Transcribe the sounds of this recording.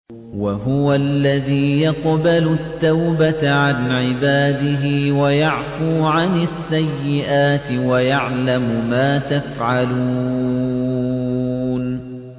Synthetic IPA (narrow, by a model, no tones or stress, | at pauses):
waɦʊwalːaðiːjɑqbalʊt̪ːawbat̪aʕanʕɪbaːd̪ɪɦɪːwajaʕfuːʕanɪsːajːɪʔaːt̪ɪwajaʕlamʊmaːt̪afʕaluː | n